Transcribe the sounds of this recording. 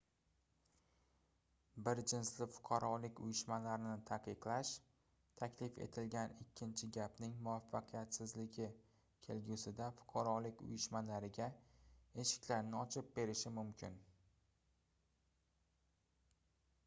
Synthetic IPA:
bɪɾd͡ʒɪnslɪfʊ̥qʰɑɾɒlɪkʲʊjɪʃmalaɾɪnɪt̪ʰaqɨqlaʃ | t̪ʰakʲʰlɪfe̞̰t̪ʰɪlɡʲanɪkʲːɪnt͡ʃʰɪɡʲapnɪŋmʊvafːɑqʰɨjat̪sɪzlɪɡʲɪ | kʲʰe̞lɡʲʊsɪd̪afʊ̥qʰɑɾɒlɪkʲʊ̰jɪʃmalaɾɪɡʲae̞ʃɪ̥kʲlaɾnɪɒt͡ʃʰɪp̚be̞ɾɪʃɪmʊmkʲʰɪn

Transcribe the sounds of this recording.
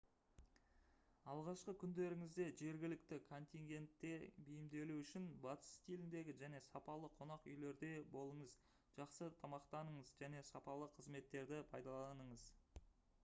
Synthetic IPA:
ɑlˠʁɑʃqəkʲʰʏnd̪e̞ɾɪŋɪzd̪e̞ʒe̞ɾɡʲɪlɪk̚t̪ɪkʰo̞nt̪ʲiŋɡʲe̞nt̪ːe̞bijɪmd̪e̞luʏʃɪnbɑt̪ə̥st̪ʰilɪnd̪e̞ɡʲɪʒæne̞sɑpɑlˠəqʰo̞nɑqʏ̰jle̞ɾd̪e̞bo̞lˠəɴəz | ʒ̥ɑqsət̪ʰɑmɑqt̪ɑnəɴəzʒæne̞sɑpɑlˠəqʰəzme̞t̪ːe̞ɾd̪ɪpʰɑjd̪ɑlˠɑnəɴəz

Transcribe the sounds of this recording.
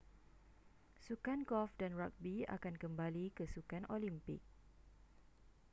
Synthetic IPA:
sukankɔfdanɹak̚bia̰kankəmbalikəsukanʔolimpɪ̰k̚

